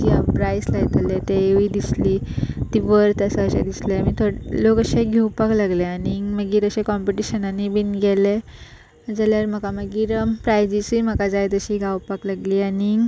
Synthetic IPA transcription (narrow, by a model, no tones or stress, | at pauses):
iapɾajslajt̪əlɛt̪eeʋid̪isliːt̪iʋəɾt̪əsəəɕa̰d̪islɛmit̪ʰoɽlokəɕẽɡʱiwpaklaɡleaniməɡiːɾəɕẽkɔmpiʈiɕənanibinɡʱɛle | d͡zəljaɾm̤əkaməɡiːɾpɾajd͡ʑisiməkad͡zajt̪əɕiɡawpaklaɡliːani